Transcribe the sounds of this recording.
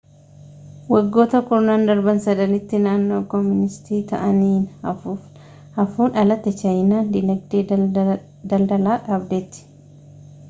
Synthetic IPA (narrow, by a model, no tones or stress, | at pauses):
wɐɡːo̞ːt̪ɐkʊɾnaːnd̪ɐɾbɐnsɐd̪ɐnɪt̪ːɪnaːnːo̞ːkɔmːɪnɪst̪iːt̪ɐ̰ʔɐniːnɐfu | hɐfuːnɐlɐt̪ːɛt͡ʃɐjnaːnd̪ɪnɐɡ̚d̪eː | d̪ɐld̪ɐlaːkaːbbeːt̪ːɪ̥